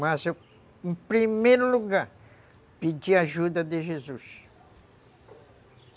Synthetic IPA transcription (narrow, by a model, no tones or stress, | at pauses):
maze | ẽpɾimejɾuluɡaɾ | pid͡ʒiaʒud̪ɐd̪eʒezus